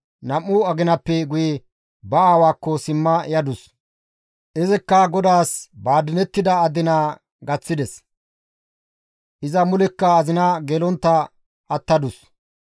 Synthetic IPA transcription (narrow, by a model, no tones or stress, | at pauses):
nɐmːʊɐɡɪnɐpːɛɡʊjɛ | bɐaːwaːkːɔsɪmːɐjɐd̪ʊs | ʔɪzɪkːɐɡɔd̪aːsbaːd̪ɪnɛt̪ːɪd̪ɐːd̪ɪnaː | ɡɐt͡sːɪd̪ɛs | ʔɪzɐmʊlɛkːɐːzɪnɐɡeːlɔnt̪ːɐ | ɐt̪ːɐd̪ʊs